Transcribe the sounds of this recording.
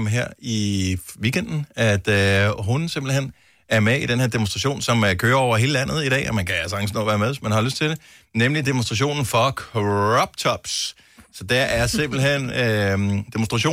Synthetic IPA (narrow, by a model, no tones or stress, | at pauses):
mɦeɐ̰iʋiːɡ̥en̰d̥n̩æd̥ɦunse̝mb̥l̩ɦen̰ | æɐmeid̥enhe̝ɐ̰d̥emo̝nsd̥ʁɑ̈ɕo̝̰ːnsɒ̽mkʰøːɐɒʊ̰ɐɦe̝ːləlæn̰ð̞̩ˠiɾ̥ɛ̰ːɒmænkʰæælsəɑ̈ŋsnɒ̰ʋæːɐmeðˠsmænhɑ̈løsd̥t͡sʰe̝d̥e | nemlid̥emonsd̥ʁɑɕ̬o̝̰ːnn̩fɒ̽kʰʁɒb̥t͡sʰɒb̥s | sɒ̽d̥ææɐse̝mb̥l̩ɦen̰ød̥emonsd̥ʁɑ̈ɕo̝̰ː